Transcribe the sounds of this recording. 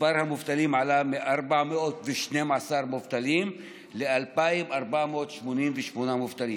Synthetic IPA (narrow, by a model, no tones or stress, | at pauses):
aɾhamʊft̪aliːmʕalameʔaɾˤbaʕmeʔot̪vɪʃnemʕasaːɾˤmʊft̪aliːm | leʔalpaimʔaɾˤbaʕmʔot̪ʃmoniːnvɪʃmunamʊft̪aliː